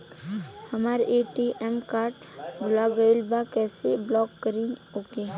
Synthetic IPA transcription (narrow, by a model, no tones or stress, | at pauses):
hɐmaːɾʔeːʈiʔɛmkaːɾʈ | bʱʊlaɡəɪlbakɛːseblɔːkːəɾiɦoke